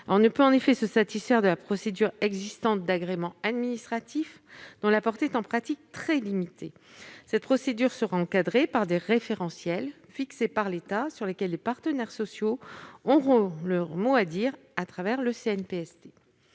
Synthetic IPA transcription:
ɔ̃nəpøɑ̃nefɛsəsat̪isfɛʁd̪əlapχɔsed̪yʁɛɡzist̪ɑ̃t̪̚d̪aɡʁemɑ̃ad̪minist̪χat̪ʰif | d̪̥ɔ̃lapɔʁt̪eɛt̪ɑ̃pχat̪ik̚t̪χɛlimit̪ʰe | sɛt̪̚pχɔsed̪yʁsəʁaɑ̃kad̪ʁepaʁd̪eʁefeʁɑ̃sjɛl | fiksepaʁlet̪asyʁlekʲɛlːepaʁt̪ənɛʁsɔsjoɔ̃ʁɔ̃ləmoad̪iʁ | at̪χavɛʁləseɛnpeɛsd̪e

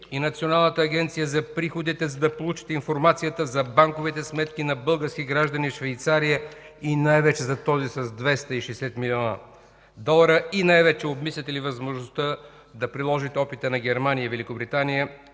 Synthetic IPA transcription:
inɐt̪sionalˠnət̪əːɡʲɛnt̪sijəzɐpɾixod̪it̪ɛzɐd̪ɐpolˠut͡ʃi̥t̪ɛinfoɾmat̪sijət̪əzɐbaŋkovit̪ɛsmɛt̪kinɐbɤlˠɡəɾskʲiɡɾaʒd̪ɐniʃvɛjt̪saɾijə | inajvɛt͡ʃɛzɐt̪ɔzisɐzd̪vɛst̪əiʃɛsɛt̪milʲiɔnə̰ | d̪ɔlˠɐɾəinajvɛt͡ʃɛobmislʲɐt̪ɛlivɐzmoʒnost̪ə | d̪ɐpɾilˠɔʒit̪ɛɔpit̪ənɐɡʲɛɾmanijəvɛlikobɾit̪anijə

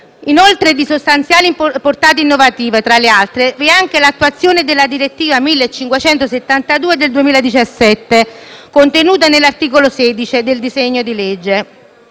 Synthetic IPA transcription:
inolt̪ɾed̪isost̪ant̪sjaːlimpport̪aːt̪̬einːovat̪iːvat̪ɾalːealt̪ɾeveaŋk̟elat̪ːuat̪sːjoːned̪elːad̪iɾet̪ːiːvamilːet͡ʃːiŋkwet͡ʃɛnt̪oset̪ːant̪ad̪uːed̪eld̪uemiːlad̪it͡ʃasːɛt̪ːekont̪enuːt̪anelːart̪iːkolosɛːd̪it͡ʃid̪eld̪izeɲːod̪iled͡ʒːe

